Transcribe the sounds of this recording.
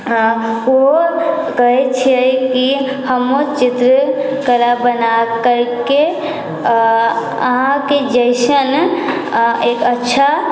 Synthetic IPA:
o | kəɦɛt͡ʃʰiɛki | həmot͡ʃit̪ɾ | kəɾabənakəɾke | əɦãked͡ʒəɪsən | ekətːʃʰa

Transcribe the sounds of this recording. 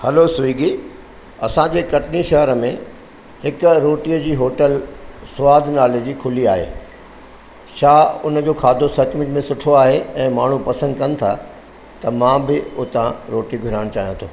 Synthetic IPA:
hɐlosʊiːɡi | ɐsãd͡ʑeːkɐʈɪniʃɐɦəɾəmẽ | hɪkʊɾoːʈijəd͡ʑiːɦoːʈəlsʊaːd̪ʱnaːled͡ʑiːkʰʊliaːɦḛː | ʃaːʊnəd͡ʑoːkʰaːd̪ʱosɐt͡ɕmʊ̃ɲd͡ʑmẽsʊʈʰoaːɦeɛ̃ːmaːɳ̤upɐsə̃nd̪kɐnɪ̆t̪ʰa̰ | t̪ɐmãbɪʊt̪ãɾoːʈiɡʱʊɾaːɪɽ̃t͡ɕaːɦijãt̪ʰoː

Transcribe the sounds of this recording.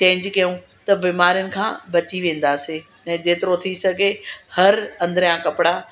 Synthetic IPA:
t͡ɕẽːɪ̃ɲd͡ʑkɐjũ | t̪ɐbiːmaːɾijʊnɪ̆kʰã̰ːbɐt͡ɕiʋẽːn̆d̪aːseː | ɛ̃ːd͡ʑeːt̪ɪɾot̪ʰisɐɡʱehɐɾɐ̃nd̪ɾjãkɐpɪɽaː

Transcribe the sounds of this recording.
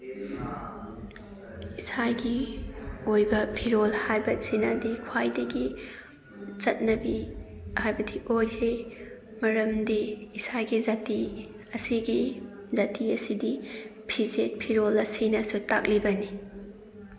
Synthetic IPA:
isajɡi | ojbɐpʰiɾolhajbɐsinɐdikʰwajdɐɡi | t͡ʃɐt̚nɐbihajbɐdiʔojze | mɐɾɐmdiisajɡizati | ɐsiɡi | zatiɐsidipʰizet̚pʰiɾolɐsinɐsuta̰k̚libɐni

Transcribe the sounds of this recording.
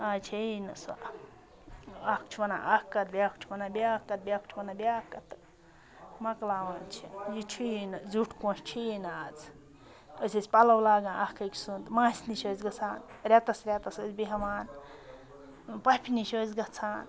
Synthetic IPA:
at͡ʃʰeinɨsa̰ | akt͡ʃʰuwɐna̰ʔɐkːɐt̪bʲjakʰt͡ʃʰuwɐnabʲaːkːɐt̪̚bʲjak̚t͡ʃʰʋɐnabʲaːkːɐt̪ | mɐklaːʋaːnt͡ʃʰḭjit͡ʃʰind͡zuʈʰkõːʃt͡ʃʰinaːd͡z | əsesʲpɐlɐwlaːɡãːʔɐhkɐksunt̪mãːsʲniʃozɡɐt͡sʰaːnɾʲat̪ɐsɾʲat̪ɐsət͡sbiɦɐʋaːn | pɐpʰiniʃozɡɐt͡sʰaːn

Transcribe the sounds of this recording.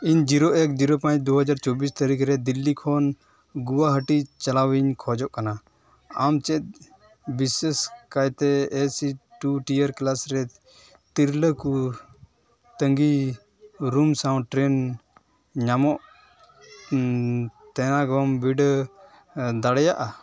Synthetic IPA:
iɲd͡ʒiɾoʔekd͡ʒiɾopãt͡ʃd̪uɦəd͡ʒaɾt͡ʃɔbist̪əɾikʰɾɛd̪ilːikʰɔn | ɡuwaɦəʈit͡ʃɐlawiɲkʰɔd͡ʒɔʔkana | amt͡ʃɛt̪̚ | biseskajt̪ɛːsiʈuʈijəɾklasɾɛ | t̪iɾləku | t̪əŋɡi | ɾumsaw̃ʈɾɛn | ɲamɔʔ | t̪ɛnaɡɔmbiɖ | d̪aɽɛjaʔa

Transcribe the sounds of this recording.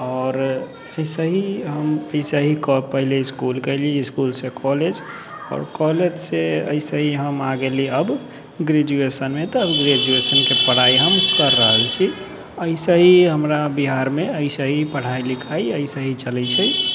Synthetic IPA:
ɔːɾ | əɪsəɦiɦəməɪsəɦikɔpəɦileiskulkəɪlieiskulsekʰɔled͡ʒ | ɔ̰ːɾkɔled͡ʒseə̰ɪsəɦiɦəmaɡeliəb | ɡɾed͡ʒuesənmet̪ɔːbɡɾed͡ʒuesənkepəɽ̤aiɦəmkəɾːəɦəlt͡ʃʰi | əɪsəɦiɦəmɾabiɦaɾmeəɪsəɦipəɽ̤ailikʰaiəɪsəɦit͡ʃəlɛt͡ʃʰəj

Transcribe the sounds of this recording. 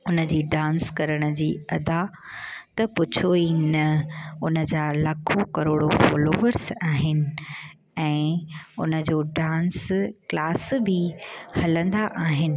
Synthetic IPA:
ʊnə̆d͡ʑiːɖãːnskɐɾəɽ̃ə̆d͡ʑiːɐd̪a | t̪ɐpʊt͡ɕʰoinɐʊnə̆d͡ʑaːlɐkʰokɐɾoːɽofoːloːʋəɾsaːɦɪnɪ̆ | ɛ̃ːʊnə̆d͡ʑoːɖãːnsklaːsbʱɪhɐlə̃nd̪aʔaːɦɪnɪ̆

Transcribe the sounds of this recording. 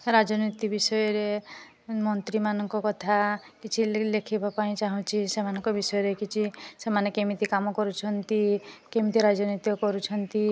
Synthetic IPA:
ɾad͡ʒɔnit̪ibisɔjɔɾe | mɔnt̪ɾimanɔŋkɔkɔt̪ʰa | kit͡ʃʰilekʰibʱapaĩt͡ʃaɦɔ̃t͡ʃʰisemanɔŋkɔbisɔjɔɾekit͡ʃʰisemanekemit̪ikamɔkɔɾut͡ʃʰɔnt̪ikemit̪iɾad͡ʒɔnit̪jɔkɔɾut͡ʃʰɔnt̪i

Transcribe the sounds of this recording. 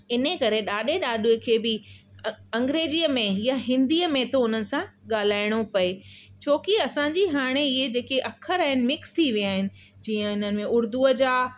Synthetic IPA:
ɪnəkɐɾeɗaːɗeɗaːɗukʰeːbɪ | ɐ̃ŋɡɾeːziəmẽɦjaɦɪ̃nd̪iːəmẽt̪oʊn̤ənɪ̆sãɠaːl̤aːɪɽ̃opɐe | t͡ɕʰoːkiɐsãɲd͡ʑiɦaːɽ̃eɪɦed͡ʑeːkeʔɐkʰəɾaːɦɪnɪ̆mɪkst̪ʰiʋijaːɦɪnɪ̆ | d͡ʑiːə̃ɪnənɪ̆mẽʊɾd̪uəd͡ʑaː

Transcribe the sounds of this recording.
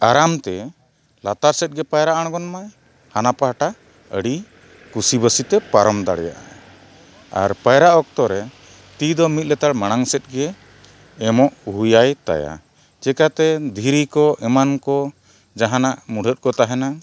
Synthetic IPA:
aɾamt̪ɛ | lat̪aɾsɛt̪̚ɡɛpajɾaʔaɽ̃ɡɔnmaj | hanapaɦaʈa | əɽi | kusibəsit̪ɛpaɾɔmd̪a̰ɽja̰ʔa̰ | a̰ɾpajɾaʔɔk̚t̪ɔɾɛ | t̪id̪ɔmit̪̚lɛt̪aɽmaɽ̃aŋsɛt̪̚ˀɡɛː | mɔʔuɦujajt̪a̰ja̰ | t͡ʃɛkat̪ɛd̪ʱiɾikɔʔɛmankɔ | d͡ʒaɦanaʔmuɖ̤ʱət̪̚kɔt̪aɦɛna

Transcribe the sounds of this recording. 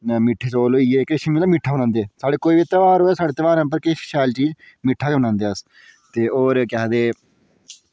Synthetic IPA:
mɪʈʰːeːt͡ʃoːloːieːkʃmiːlaːmɪʈʰːaːɦnãːnd̪eːsaːɖeːkoːiːʋit̪əʋaːɾoːeːsaːɖeːt̪əʋaːɾə̃mpəɾkɪʃʃɛːlt͡ʃiːd͡ʒ | mɪʈʰːaːt͡ʃoːnãːnd̪eːəs | t̪eːoːɾkɛːd̪eː

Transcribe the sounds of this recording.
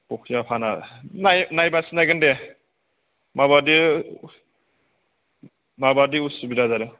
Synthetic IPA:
pɔkʰijapʰananajnajbasinajɡɯnde | maβadi | mabadiusubiɾazaɾɯ

